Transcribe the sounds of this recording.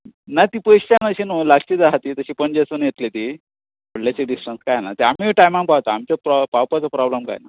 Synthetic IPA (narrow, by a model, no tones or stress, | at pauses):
nat̪iːpəɕt͡ɕanəɕinolaɡt͡ɕiːd͡z̪aɦat̪iːt̪əɕiːpənd͡ʑasənjet̪let̪i | bəɽlat͡ɕeɖisʈənskajna̰t̪eamiʈajmãŋkpawt̪aamt͡ɕapɾɔpawpat͡səpɾɔbləmka̰jna